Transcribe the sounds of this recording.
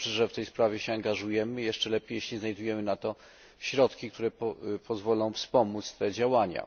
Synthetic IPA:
ʂʐɛft̪ɛjspɾavʲjɛɕɛaŋɡaʐujɛmɘjɛʂt͡ʂɛlɛpʲjejeɕʲlʲiznajd̪ujɛmɘnat̪ɔ | ɕɾɔt̪kʲikt̪uɾɛppʰɔzvɔlɔ̃w̃fspɔmut̪st̪ɛd͡ʑawaɲa̰

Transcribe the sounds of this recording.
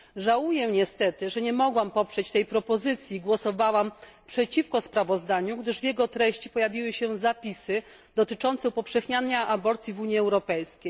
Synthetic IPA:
ʐawujɛɲɛst̪ɛt̪ɘʐɛɲɛmɔɡwampɔpʂɛt͡ɕt̪ɛjpɾɔpɔzɘt̪sʲjiɡwɔsɔvawam | pʂɛt͡ɕifkɔspɾavɔzd̪aɲuɡd̪ɘʐvʲjɛɡɔt̪ɾɛɕt͡ɕi̥pɔjavʲiwɘɕɛzapʲisɘ | d̪ɔt̪ɘt͡ʂɔnt̪sɛupɔfʂɛxɲanaʔabɔɾt̪sʲjivuɲiɛwɾɔpɛjskʲej

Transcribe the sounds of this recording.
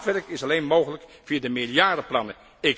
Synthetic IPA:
tʋɛrkɪsɑlejnmowɣələkfiːədəmɪlˠjaɹdəplɑnə | ɪ

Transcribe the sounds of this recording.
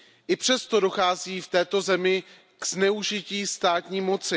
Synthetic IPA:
ʔɪpr̝̥ɛst̪o̞do̞xaːziːft̪ɛːt̪o̞zɛmɪ | ɡ̥z̥nɛuʒɪciːst̪aːt̪ɲiːmo̞t͡sɪ

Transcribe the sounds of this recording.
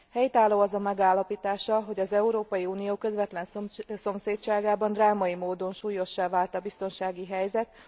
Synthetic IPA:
hɛjt̪aːloːɒzɒmɛɡaːlːɒpiːt̪aːʃɒɦo̞ɟɒzɛuɾoːpɒjiuːnijoːkø̞zʋɛt̪lɛnsso̞mseːtt͡ʃaːɡaːbɒnd̪raːmɒimoːd̪o̞nʃuːjo̞ʃːaːvaːlt̪ɒbist̪o̞nʃaːɡiɦɛjzɛt̪

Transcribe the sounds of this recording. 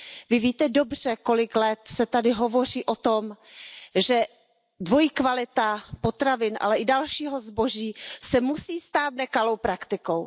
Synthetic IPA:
vɪviːt̪ɛdo̞br̝̥ɛko̞lɪklɛt̪sɛt̪adɪɦovo̞r̝iːʔo̞t̪o̞m | ʒɛ | dvo̞jikvalɪt̪apot̪ɾavɪnʔa̰lɛʔɪdalʃiːɦo̞zbo̞ʒiːsɛmusiːst̪aːt̪̚nɛkalo̞wpɾakt̪ɪko̞w

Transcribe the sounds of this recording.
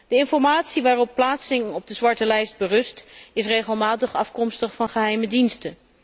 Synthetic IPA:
d̥əɪnfɔɹmaːtsiʋaːrɔpːlaːtsɪŋɔb̚dəzʋɑɹtəlɛjsd̚bərɵstɪsreχəlˠmaːtəχɑfkɔmstəχfɑnχəɦɛjmədinstə

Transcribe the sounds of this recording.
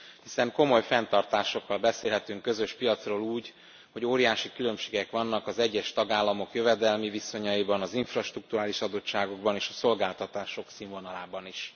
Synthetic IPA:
hisɛŋko̞mo̞jfɛnt̪ɒrt̪aːʃo̞kːɒlbɛseːlɦɛt̪yŋkːø̞zø̞ʃpijɒt̪sroːluːɟ | ho̞ɟoːɾijaːʃikylø̞mʃe̥ːɡɛkʋɒnːɒkɒzɛɟːɛʃt̪ɒɡaːlːɒmo̞kjøvɛd̪ɛlmiviso̞ɲɒibɒnɒziɱfrɒʃt̪ruk̚t̪uɾaːliʃɒd̪o̞tːaːɡo̞ɡ̚bɒneːʃɒso̞lɡaːlt̪ɒt̪aːʃo̞ksiɱvo̞nɒlaːbɒniʃ

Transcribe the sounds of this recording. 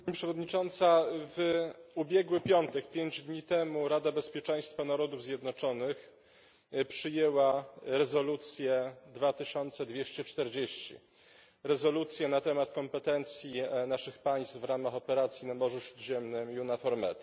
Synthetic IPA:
paɲipʂɛvɔd̪ɲit͡ʂɔnt̪savubʲjɛɡwɘpʲjɔnt̪ɛkpʲjeɲd͡ʑd̪ɲit̪ɛmuɾad̪abɛspʲjɛt͡ʂɛj̃st̪fanaɾɔd̪uvzʲjɛd̪nɔt͡ʂɔnɘx | pʂɘjɛwaɾɛzɔlut̪sʲjɛd̪vat̪ɘɕɔnt̪sɛd̪vʲjeɕt͡ɕɛt͡ʂt̪ɛɾd͡ʑeɕt͡ɕḭ | ɾɛzɔlut̪sʲjɛnat̪ɛmat̪kɔmpɛt̪ɛnt̪sʲjinaʂɘxpaj̃st̪vɾamaxɔpɛɾat̪sʲjinamɔʐuɕɾud̪ʑɛmnɘmjunafɔɾmɛ̰t̪

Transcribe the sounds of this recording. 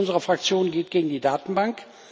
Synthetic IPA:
ʊnzəʁɐfʁ̥ak̚t͡sjoːnɡeːtɡ̥eːɡŋ̩diːdaːtn̩baŋk

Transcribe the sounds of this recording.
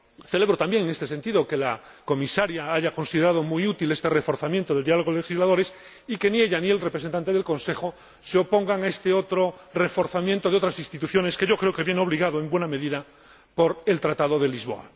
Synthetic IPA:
θe̞le̞β̞ɾot̪ambje̞ŋeŋest̪ese̞nt̪iðo̞ke̞lakomisaɾjaaʝako̞nsiðe̞ɾað̞o̞mujut̪ile̞st̪e̞refo̞ɾθamjent̪oðld̪ialoɣoele̞xizlaðo̞ɾe̞s | ike̞nie̞ʎanielrepɾes̬ent̪ant̪e̞ðe̞lkõ̞nse̞xo | seo̞po̞ŋɡaŋaest̪eo̞t̪ɾore̞fo̞ɾθamjẽnt̪oeot̪ɾasinst̪it̪uθjo̞ne̞skeʝo̞kɾeoke̞βje̞neo̞β̞liɣaðoe̞mbwe̞name̞ðiða | po̞ɾe̞lt̪ɾat̪að̞oðe̞lizβo̞̰a̰

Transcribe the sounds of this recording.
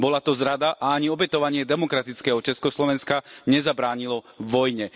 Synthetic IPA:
bɔlat̪ɔzɾad̪aʔaaɲiɔbɛt̪ɔʋaɲɪɛd̪ɛmɔkɾat̪it͡skɛːɦɔt͡ʃɛskɔslɔʋɛnskaɲɛzabɾaːɲilɔ | ʋɔjɲɛ

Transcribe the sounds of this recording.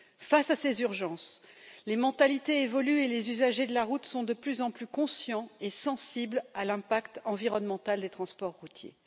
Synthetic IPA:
fasasezyʁʒɑ̃slemɑ̃t̪alit̪eevɔlyelezyzaʒed̪əlaʁut̪sɔ̃d̪əplyzɑ̃plykɔ̃sjɑ̃esɑ̃siblalɛ̃pakt̪ɑ̃viʁɔnmɑ̃t̪ald̪et̪χɑ̃spɔʁːut̪jḛ

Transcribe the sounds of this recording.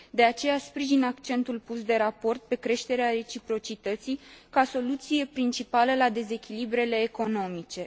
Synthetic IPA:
d̪e̞at͡ʃe̞jaspɾiʒinakt͡ʃe̞nt̪ulpusd̪e̞ɾapo̞rt̪̚pe̞kɾe̞ʃt̪e̞ɾeaɾe̞t͡ʃipɾo̞t͡ʃit̪ət̪sijkaso̞lut̪sije̞pɾint͡ʃipaləlad̪e̞ze̞kʲilibɾe̞le̞ːko̞no̞mit͡ʃe̞

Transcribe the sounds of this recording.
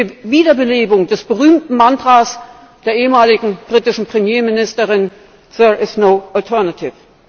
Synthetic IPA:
iviːdɐbəleːbʊŋdɛsb̥əʁyːmtn̩mantʁ̥aːs | d̥eːɐeːəmaːlɪɡŋ̩b̥ʁitɪʃn̩pʁ̥emjeːmɪnɪstəʁɪn | sɛʔɪsnoʊʔaltʰɛɐnatʰɪf

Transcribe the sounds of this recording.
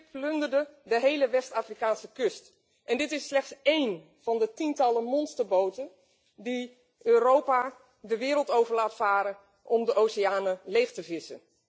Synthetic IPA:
pløndərdədəɦejləʋɛstaːfrikaːnsəkʏst | ʔɛndɪtɪsːlɛχtsejn | v̥ɑndətintɑləmɔnstərbowtə | di | ʔøːrowpa | dəʋɪːɾəlˠtowvəɹlaːtfaːɾə | ʔɔmdəʔoːsiaːnəlejxtəvɪsə̰n

